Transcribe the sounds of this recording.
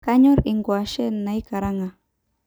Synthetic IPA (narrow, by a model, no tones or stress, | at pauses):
kaɲoɾiŋɡwaʃenajkaɾaŋa